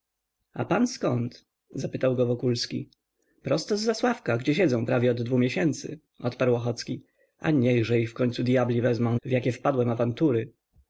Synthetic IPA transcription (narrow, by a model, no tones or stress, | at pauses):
a̰panskɔnt̪ | zapɘt̪awɡɔvɔkulskʲḭ | pɾɔst̪ɔzːaswafkaɡd͡ʑɛɕɛd̪zɔ̃w̃pɾavʲjɛɔd̪ːvumʲjeɕɛnt̪sɘ̰ | ɔt̪paɾwɔxɔt̪skʲi | a̰ɲɛɣʐɛjifkɔɲʲt̪sud̪jablʲivɛzmɔ̃w̃vjakʲɛfpad̪wɛmavant̪uɾɘ